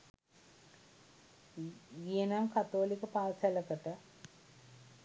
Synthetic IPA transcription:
ɡienamkat̪oːlikəpaːlsɛləkəʈə

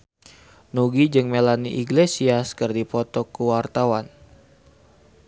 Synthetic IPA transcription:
nuɡid͡ʒɨŋmelaniʔiɡlesiaskɨrdipɔt̪ɔkuwart̪awan

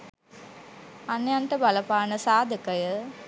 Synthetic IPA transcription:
ɐnjaːnʈɐbɐlɐpaːnɐsaːd̪ʱəkɐjə

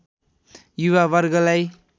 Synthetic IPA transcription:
juwabʌɾɡʌlaj

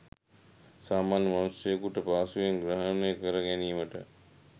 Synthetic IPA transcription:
saːmaːnjəmanusjəjəkuʈəpaːsujeŋɡɾəɦənəjəkəɾəɡæniːməʈə

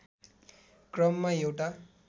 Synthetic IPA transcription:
krʌmːaewʈa

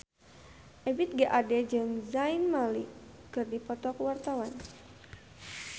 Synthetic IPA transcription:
ʔɛbit̪̚ɡaʔadɛd͡ʒaŋzainmalikɨrdipɔt̪ɔkəwart̪awan

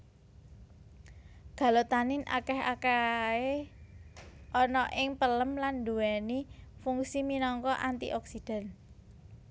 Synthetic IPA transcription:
ɡ̥ä̤lot̪anɪnʔa̰kɛɦa̰kae | ʔɔnɔʔɪŋpələmland̪uwɛnifuŋksiminɔŋkɔʔant̪ḭʔɔksid̥a̤n

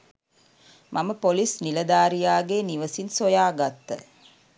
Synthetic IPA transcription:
mʔɐməpolisnilɐd̪aːɾijaːɡeːniʋəsinsojaːɡat̪ːə̰

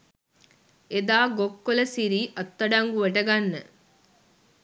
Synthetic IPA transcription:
ed̪aːɡokːolɐsiɾiːʔɐt̪ːɐɖɐŋɡuʋeʈɐɡɐnːe

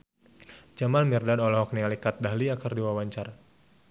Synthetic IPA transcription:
d͡ʒamalmirdanɔlɔɦɔk̚nialikat̪̚daɦliakərdiwawaɲt͡ʃar

